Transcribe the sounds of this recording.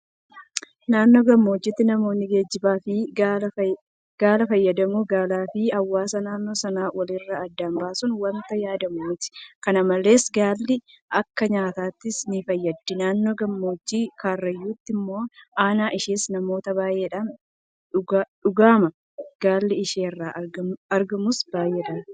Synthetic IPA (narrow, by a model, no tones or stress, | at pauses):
naːnːoɡɐmːo̞ːd͡ʒːɪt̪ːɪnɐmo̞ːnːɪɡe̞ːd͡ʒːɪbaːfɪ | ɡ̥aːlɐfɐjːɐd̪ɐmuːɡaːlaːfɪhɐwːaːsɐnaːnːoːsɐnaːwɐlɪrːɐːd̪ːambaːsʊnwɐnt̪ɐjaːd̪ɐmuːt̪ɪ̥kɐnɐmɐle̞ːsɡaːlːɪ | ʔɐkːɐɲaːt̪aːt̪ːɪsnɪfɐjːɐd̪ːɪnaːnːoːɡɐmːoːd͡ʒːiːkaːrːɐjːuːt̪ːɪmːo̞ːʔaːnaːʔɪʃeːsnɐmo̞ːt̪ɐbaːjeːᶑɐn | ɡᶑʊɡaːmɐ | ɡ̥aːlːɪɪʃeːrːaːʔɐɾɡɐmʊsb̥aːjeːᶑɐn